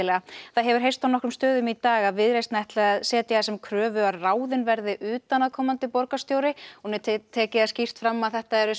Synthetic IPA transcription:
ɪlɛɣaθaðɦɛvʏɾ̥ɦejst̪awnɔhkɾʏmst̪œːðʏmit̪aːɣaðvɪðɾejst̪nɛjht̪laaðsɛːt̪jaasɛmkʰɾœːvʏaðraːwðɪnvɛɾðɪʔʏːt̪anaðkʰɔːmant̪ɪpɔɾkast̪joːwɾɪɔnɛt̪ʰt̪ʰɛːcɪascir̥t̪fɾamːaðθɛht̪aɛɾʏ

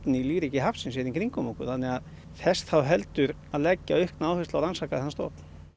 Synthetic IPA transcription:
nɪiliːvɾicɪɦafsɪnsɛðɪnŋkʰɾiŋkʏmɔkʏθanːɛɣað | θɛst̪θawɦɛlt̪ʏɾ | aðlɛcːaʏhknaːwhɪslawɾansakaðanst̪ɔ̰ːt̪n̥

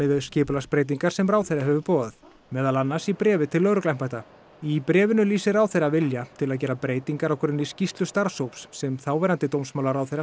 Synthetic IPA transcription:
ɪðʏscɪːpʏlaspɾeːjt̪̬iŋkaɾ̥sɛmraːwθejɾaɦɛvʏpɔːðʏð | mɛːðalanːasipɾɛːvɪt̪ʰɪlːœːɾʏklajm̥pajht̪a | ipɾɛːvɪnʏliːsɪɾawθejɾavɪljat̪ʰɪlaðcɛːɾapɾeːjt̪iŋkaɾawkʰʏɾɪnɪscist̪lʏst̪aɾsowpsːɛmθawvɛːɾant̪ɪt̪owmsmawlaɾawθejɾa

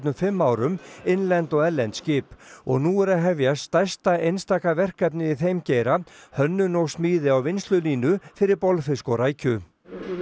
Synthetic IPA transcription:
nʏmfɪmːaːwɾʏmɪnlɛnt̪ɔɣɛlɛnt̪scɪːpɔɣnuɛɾaðɦɛvjast̪ajst̪aejnst̪aːkavɛr̥kapnɪɪθejmceːjɾahœnːʏnɔɣsmiːðɪawvɪnst̪lʏliːnʏfɪɾɪɾpɔlfɪskɔɾaːjcʰʏ

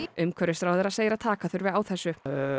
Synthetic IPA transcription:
ʏmkʰœɾʏst̪ɾawðɛɾaseːjɾat̪ʰaːkaθʏɾvɪðawθɛsːʏ

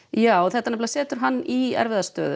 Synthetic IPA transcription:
jaːwɔθɛht̪anɛplasɛːt̪ʏɾ̥ɦanːiɛ̰ɾvɪðast̪œːðʏ

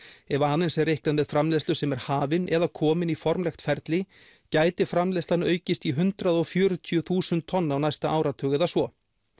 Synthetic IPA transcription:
ɛvaaðɪnsɛrehklanvɛðfɾamlɛst̪lʏsɛmɛɾ̥haːvɪnʔɛðakʰɔːmɪnifɔɾmlɛxt̪fɛɾt̪lɪ | caːjt̪ɪfɾamlɛst̪lanœːɥcɪst̪iɦʏnt̪ɾaðɔfjœːɾʏt̪ʰiʏθuːsʏnt̪ʰːɔnːawnajst̪aʔaːwɾat̪ʰœːɣɛðasvɔ

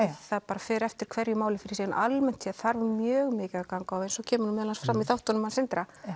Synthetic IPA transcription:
θaðpaːɾafɛːɾɛft̪ɪɾ̥kʰvɛɾjʏmaːwlɪfɪɾɪ̥sɛːjnʔalmɛn̥t̪sɛðθaɾvʏmjœːɣmɪːcɪðakawŋkaawejnsɔɣcʰɛːmʏɾmɛːðlansfɾamːiθawht̪ɔnʏmansɪnt̪ɾa

